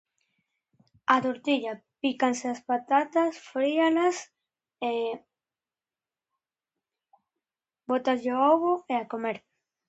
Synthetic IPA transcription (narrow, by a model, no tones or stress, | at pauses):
at̪oɾt̪iʎapikanseaspat̪at̪asfɾialas | e | bot̪aʎeooɣoeakomeɾ